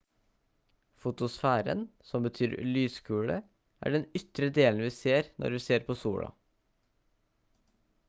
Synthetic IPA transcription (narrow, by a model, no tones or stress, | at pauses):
fʊt̪ʊsfæːɾə̰nsɔmbət̪ʰyːɾlyːskʉːɽə̰ | ʔæ̰ːɖɛnʏt̪ɾəd̪eːln̩ʋiːseːɾnʔɔ̰ɾʋiːseːɾpʰoːsuːɽɑ̰